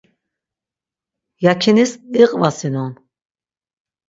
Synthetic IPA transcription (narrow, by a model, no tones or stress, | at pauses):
jakʰinisiqʼvasinɔn